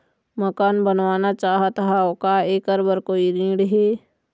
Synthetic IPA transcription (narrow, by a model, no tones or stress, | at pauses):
məkaːnbənwaːnat͡ʃaːɦət̪ɦaokaeːkəɾbəɾkoːiɾĩːɽɦeː